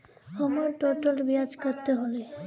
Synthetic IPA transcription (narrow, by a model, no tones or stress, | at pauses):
ɔmɔɾʈoʈɔlbiad͡ʒkɔɾt̪eɦole